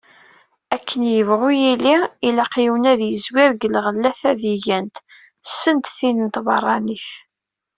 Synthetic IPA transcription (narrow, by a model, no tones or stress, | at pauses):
ækʰːənjəvʁujiliilæqjiwnæðjəzwɪɾɡəlʁəlːæθæðiʝænt̪ | sːənt̪θinənt̪bɑrˤːɑniθ